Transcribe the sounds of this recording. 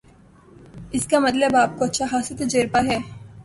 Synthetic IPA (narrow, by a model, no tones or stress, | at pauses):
ɪskamɐt̪ləbaːp̚koɐtːʃʰaɦaːsət̪ed͡ʒeːɾpaɦɛː